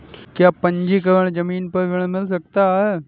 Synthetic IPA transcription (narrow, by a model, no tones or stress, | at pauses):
kjaːpə̃ɲd͡ʒikɐɾəɽ̃d͡ʒəmiːnpɐɾʋɪɽ̃mɪls̬ɐk̚t̪aɦɛː